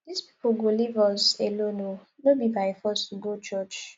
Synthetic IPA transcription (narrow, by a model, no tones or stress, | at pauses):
d̥ispi̥poɡolivɔselononobibafɔstɡot͡ʃɔt͡ʃ